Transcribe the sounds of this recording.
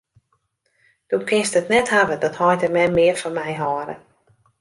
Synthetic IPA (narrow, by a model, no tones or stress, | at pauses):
d̥ukʰɪnstətnɛthavədɔthɔjtəmɛmɪərfɔnmɛjɦɔːɾə̰